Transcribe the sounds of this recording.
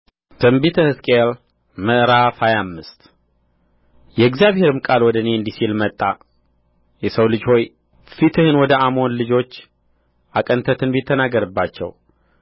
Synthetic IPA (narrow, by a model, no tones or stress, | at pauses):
t̪ʰɨmbit̪ʰəhɨskʼel | məʔɾafajamːɨst̪ | jɛɡzjaβhe̞ɾɨmkʼalwɔd̪əneɨnd̪isilmət̪ʼːa | jɛsəwlɨd͡ʒho̞j | fit̪ʰɨhɨnwɔd̪əʔamo̞nlɨd͡ʒo̞t͡ʃː | ʔakʼənt̪ʰət̪ʰɨnbit̪ʰːənaɡəɾɨbːat͡ʃːɛ̰w